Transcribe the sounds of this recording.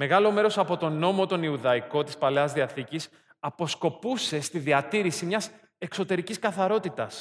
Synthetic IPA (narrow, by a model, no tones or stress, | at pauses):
me̞ɣɐlo̞me̞ɾo̞sɐpo̞t̪o̞no̞mo̞t̪o̞niuðɐiko̞t̪ispɐleɐzðiɐθicis | ɐpo̞sko̞puse̞st̪iðiɐt̪iɾisimɲɐs | e̞kso̞t̪e̞ɾiciskɐθɐɾo̞t̪it̪ɐs